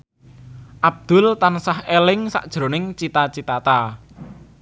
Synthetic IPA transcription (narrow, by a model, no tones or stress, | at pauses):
ʔab̚d̪̥ʊ̤lt̪ansahelɪŋsa̰ʔd̥ʒ̥ɾo̤nɪŋt͡ʃit̪at͡ʃit̪at̪a